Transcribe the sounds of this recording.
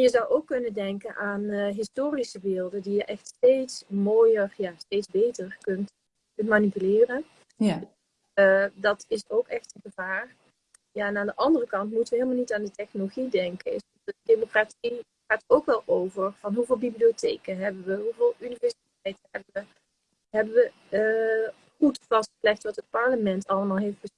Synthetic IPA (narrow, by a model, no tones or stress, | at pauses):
jəzɑwʔowkːɵnəndɛŋkənʔaːnɦɪstoːrisəbɪːlˠdəndijəʔɛxtstejtsmoːjərjaːstejtzbejtərkɵnt | kɵntmanipylɪːrən | d | dɑtɪsowkɛxtənɣəvaːr | jaːɛnaːndəʔɑndərəkɑntmutəʋəɦeːlˠmalˠnitaːndətɛxnoloɣidɛŋkənɪs | ədemokratsi | xaːtəowkʋɛlˠowvəɹv̥ɑnɦuvɪːlˠbibliotejkənɦɛbənʋəɦuvɪːlˠynivɛɹsitɛjtəɦɛbəə | ɦɛbəʋə | χutfɑstslɛxtʋɑtɦət̚pɑɹləmɛntɑlˠəmaːlˠɦejftb̥ə